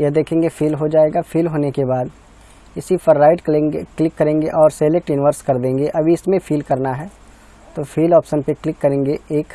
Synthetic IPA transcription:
jɐd̪eːkʰẽːŋɡefiːlɦod͡ʒaːeːɡafiːlɦoːnekebaːd̪ | ɪsifɐɾːaːɪʈklɪkːɐɾẽːŋɡeʔɔːɾseːlek̚ʈɪnɪʋəɾskɐɾd̪ẽːŋ̆ɡeʔɐbʱiɪsmẽfʰiːlkɐɾnaɦɛː | t̪oːfʰiːlɔːpʃənpeklɪkːɐɾẽːŋɡeeːk

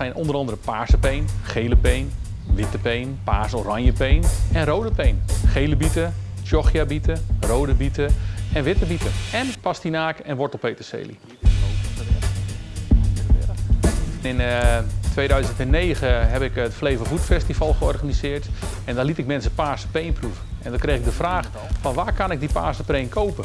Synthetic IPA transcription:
sɛjnɔndəɾɑndərəpaːsəpejnχejləpejn | ʋɪtəpejnpaːsorɑɲjəpejnɛnrowdəpejnχejləbitət͡ʃjɔxjabitərowdəbitəɛnʋɪtəbitəɛnpastinaːkɛnʋɔtɔpejtəsḛːlḭ | ɪntʋejdœɥzəntɛnːeːɣəɦɛpɪkətflejvəvutfɛstivɑlˠxəɔrɣanizɪːrtɛndalitɪk̚mɛnsəpaːsə̥pejnpruvəɛndɔkrejxɪɡ̚dəfraːx | fɔnʋaːkanɪk̚dipa̰ːsəpejnkʰowpə

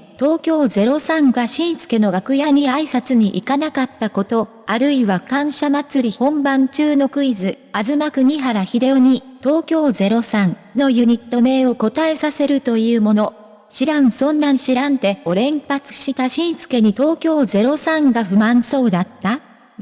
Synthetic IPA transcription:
t̪o̞ːkʲo̞ːze̞ɾo̞sãŋɡaɕĩɰ̃sɨ̥ke̞no̞ɡakɯ̟jaɲ̟iaisat͡sɨɲ̟iʔikanakat̪ːako̞t̪o̞ | aɾɯ̟iβakãɰ̃ɕamat͡sɨɾʲihõ̞mbãɲ̟t͡ɕɨːno̞kɯ̟izɨ | azɨmakɯ̟ɲ̟iɦaɾaçid̪e̞oɲ̟it̪o̞ːkʲo̞ːze̞ɾo̞sãn | no̞jɯ̟ɲ̟it̪ːo̞me̞ːo̞ko̞t̪ae̞sase̞ɾɯ̟t̪o̞jɯ̟ːmo̞no̞ | ɕiɾãɰ̃sõ̞nːãɲɕiɾãnt̪e̞o̞ɾẽ̞mpat͡sɨ̥ɕit̪aɕĩɰsɨ̥ke̞ɲ̟it̪o̞ːkʲo̞ːze̞ɾo̞sãŋɡaɸɯ̟mãɰ̃so̞ːd̪at̪ːa

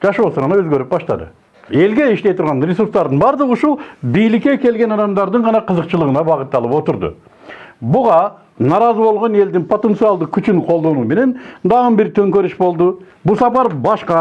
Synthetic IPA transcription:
d͡ʒɑʃbosoʁɑnɑøzɡø̞ɾyp̚bɑʃt̪ɑ̰d̪ɯ̰ | e̞lɡe̞iʃt̪e̞jt̪ʰuɾʁɑnɾʲesuɾst̪ɑɾd̪ɯnbɑɾd̪əʁuʃulˠbijlɪkːe̞kʲe̞lɡʲe̞nɑd̪ɑmd̪ɑɾd̪ɯɴʁɑnɑqʰɯzəqt͡ʃɯlˠəʁənɑbɑʁət̪ːɑlˠɯpo̞t̪ʊɾd̪ʊ̰ | bʊʁɑ | nɑɾɑzəbo̞lˠʁo̞ne̞ld̪inpʰo̞t̪ent̪sɨɑlˠd̪əkʰʲyt͡ʃynqʰolˠd̪o̞nuːme̞ne̞nd̪ɑʁɯnbiɾt̪ʰø̞ŋkøɾyʃbo̞lˠd̪ʊ | busɑpɑɾbɑʃqɑ

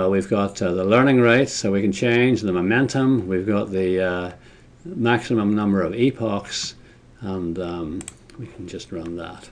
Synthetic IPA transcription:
wivɡɑt̪ðəlɜ˞nɪ̃ŋɹaɪtsoʊwikɨ̃n̩t͡ʃʰẽɪ̃nd͡ʒðəmomɛ̃ntʰə̃mwivɡɑt̪̚ðɨ | mæksɨmə̃mnʌ̃mbə˞ʌvipʰɑks | ə̃n | wikʰn̩d͡ʒʌst̚ɹʌ̃nðə̰t̚

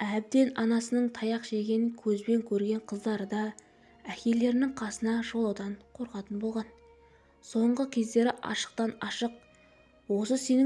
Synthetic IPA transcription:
æb̚d̪e̞nɑnɑsənəɴt̪ʰɑjɑqʃe̞ɡʲe̞nɪkʲʰɵzbe̞ŋkʲʰɵɾɡʲe̞ɴqʰəzd̪ɑɾəd̪ɑ | ækʲe̞lːe̞ɾɪnɪŋɴqʰɑsənɑʒo̞lˠɑwd̪ɑɴqʰo̞ɾqɑt̪ənbo̞lˠʁɑn | so̞ɴʁəkʲʰe̞zd̪e̞ɾɪʔɑ̰ʃə̥q̚t̪ɑnɑʃəq̚ | wo̞səse̞nɪ

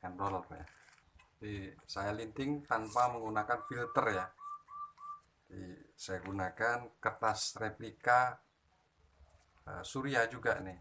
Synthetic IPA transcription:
kanrɔlpɛ̰a | disajalint̪ɪŋt̪anpaməŋɡunakanfilt̪ərja | disajaɡunakankət̪asreplika | ə̰suɾiad͡ʒuɡanɪh

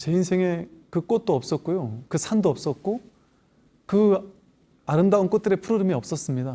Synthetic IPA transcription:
t͡ɕe̞insʰe̞ŋe̞kɯk͈ot̚t͈oʌp̚s͈ʌt̚k͈ojokɯsʰandoʌp̚s͈ʌt̚k͈o | kɯ | aɾɯmdaunk͈ot̚t͈ɯɾe̞pʰuɾoɾɯmiʌp̚s͈ʌs͈ɯmɲida

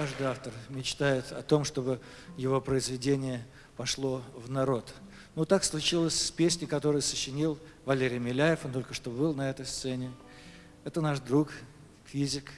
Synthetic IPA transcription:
kaʐd̪ɨaft̪ərmʲɪt͡ɕt̪ajɪt̪ʰɐt̪o̞mʂt̪o̞bɨ | jɪvo̞pɾəɪzvʲɪdʲenʲɪjə | pɐʂlˠo̞vnɐɾo̞t̪ | not̪akslˠʊt͡ɕilˠəsʲspʲesʲnʲɪkɐt̪o̞ɾəjəsəɕːɪnʲilˠvɐlʲeɾʲɪjmʲɪlʲæjɪfont̪o̞lʲkəʂt̪o̞bɨlˠnɐɛt̪əjst̪sɛnʲɪ | ɛt̪ənaʂd̪ɾuk | fʲizʲɪk

